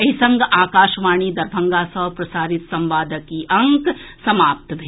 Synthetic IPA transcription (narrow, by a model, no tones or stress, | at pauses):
ɐɦisɐ̃ŋɡaːkaːʃʋaːɳ̃id̪ɐɾbʱɐ̃ŋɡaːsɐʋpɾɐsaːɾɪt̪sɐ̃mʋaːd̪ʱəkiʔɐ̃ŋksɐmaːp̚t̪bʱe